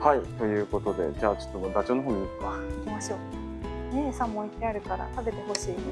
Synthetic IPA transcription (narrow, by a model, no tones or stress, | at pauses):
hait̪o̞jɯ̟ːko̞t̪o̞d̪e̞̰d͡ʑaːt͡ɕo̞̥t̪ːomod̪at͡ɕoːnoɦoːɲ̟iino̥kaikʲimaɕo̞ː | nẽsãmːõit̪ːeaɾɯ̟kaɾa̰t̪abe̞t̪e̞ɦo̞ɕiː